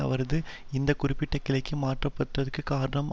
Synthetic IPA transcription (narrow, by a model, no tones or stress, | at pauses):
ɐ̰ʋɐɾɐðɯɪnd̪ɐkʊɾɪpːɪʈːɐkɪlɐɪkːɯmaːʈrɐpːɐʈrɐðɯkːɯkaːɾɐɳɐm